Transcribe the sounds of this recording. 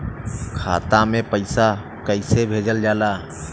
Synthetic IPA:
kʰa̰t̪amepəɪsa | kəɪsebʱed͡ʒəld͡ʒala

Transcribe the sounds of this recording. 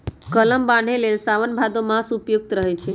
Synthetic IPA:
kələmbãɳ̤elelsaʋənbʱad̪omãsupjuk̚t̪ɾəɦet͡ʃʰe

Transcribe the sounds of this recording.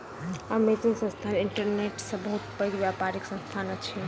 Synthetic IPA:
əmet̪iŋsə̃nst̪ʰanɪɳʈəɾneʈsə̃bəɦut̪pəɡʋjapaɾiksə̃nst̪ʰanət͡ʃʰi

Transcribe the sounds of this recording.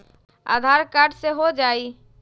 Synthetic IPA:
a̰d̪ʱaɾkaɾɖseɦod͡ʒaːi

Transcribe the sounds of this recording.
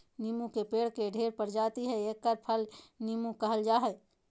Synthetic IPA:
niːmũkepeːɽkeɖʱeːɾpəɾd͡ʒaːt̪iɦɛeːkːəɾpʰəlnimũkəɦəld͡ʒaːɦɛ

